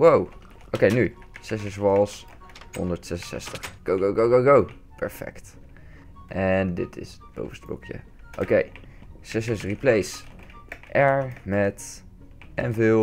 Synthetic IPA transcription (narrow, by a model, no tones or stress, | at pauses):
wow | ʔowkejny | sɛsɛsʋɑlˠs | ɦɔ̰ndəɹtsɛsəsɛ̰stəχɡ̥owɡowɡowɡoɡow | pɛɹfɛ̰kt | ʔɛndɪtʰɪ̰s | bo̰wvənstblɔ̰kjə̰ | ʔo̰kej | sɛsɛsriplejs | ʔɛɹmɛt | ʔɛ̰nvɪ